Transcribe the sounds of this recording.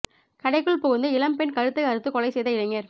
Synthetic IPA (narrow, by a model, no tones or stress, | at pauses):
kɐɽɐɪkːɯɭpɔɣɯnd̪ɯɪlɐmpɛnkɐɾɯt̪ːɯɐɾɯt̪ːɯkɔɭɐɪsɛjðɐɪlɐŋɡɐɾ